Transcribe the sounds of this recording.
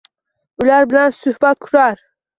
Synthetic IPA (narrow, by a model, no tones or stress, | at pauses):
ʊlaɾbɪlansʊhbat̪̚kʰʊɾaɾ